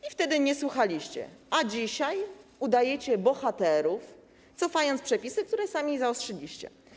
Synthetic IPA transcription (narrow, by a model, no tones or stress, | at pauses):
ift̪ɛd̪ɘɲɛswuxalʲiɕt͡ɕɛ̰ʔad͡ʑiɕajud̪ajɛt͡ɕɛbɔxat̪ɛɾuf | t̪sɔfajɔnt̪spʂɛpʲisɘk̚t̪uɾɛsamʲizaɔstʂɛlʲiɕt͡ɕɛ̰